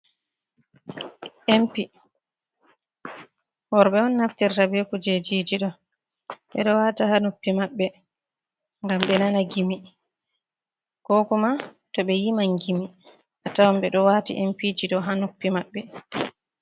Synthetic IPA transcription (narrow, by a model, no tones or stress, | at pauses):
ʔempi | wɔɾbɛɔnːaftɛɾtabekud͡ʒed͡ʒid͡ʒiɗɔ | ɓɛ̰ɗɔwaːtahanopːimaɓːɛ | ŋɡamɓɛnanaɡimi | kɔkɔma | tɔɓɛjimaŋɡimi | ʔatawambɛɗɔwatḭʔɛmpid͡ʒiɗɔɦanopːimaɓːɛ